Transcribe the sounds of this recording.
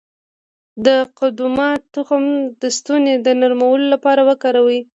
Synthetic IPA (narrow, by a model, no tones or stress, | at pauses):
d̪əqʊd̪umɑt̪ːʊxəmd̪əst̪uned̪ənaɾmawəlolapɑɾawəkɑɾawi